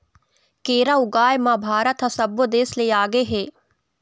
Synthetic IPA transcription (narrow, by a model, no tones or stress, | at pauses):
keːɾaʊɡaːjmãbʱaːɾət̪ɦɐsɐbʋod̪eːsleːaːɡeɦeː